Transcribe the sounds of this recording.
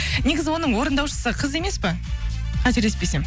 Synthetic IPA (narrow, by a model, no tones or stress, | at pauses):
ne̞ɡʲɪzɪwo̞nəɴwo̞ɾənd̪ɑwʃə̥səqʰəze̞me̞spɪ | qʰæt̪ɪɾd̪epesem